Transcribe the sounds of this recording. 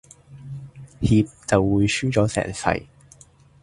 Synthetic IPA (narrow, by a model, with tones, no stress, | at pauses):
hiː˧p̚t͡sɐ˨wːuː˨˧jsyː˥t͡sɔː˨˥sɛ̰ː˨˩ŋfɐ̰˨˩j